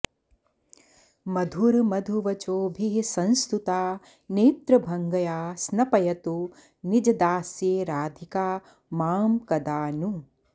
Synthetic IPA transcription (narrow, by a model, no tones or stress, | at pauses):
mɐd̪ʱuɾmɐd̪ʱuʋɐt͡ʃoːbʱiɦsɐ̃nst̪ut̪aː | neːt̪ɾɐbʱɐŋɡɐjaːsnɐpɐjɐt̪u | nid͡ʒɐd̪aːsjeːɾaːd̪ʱikaː | maːmkɐd̪aːnu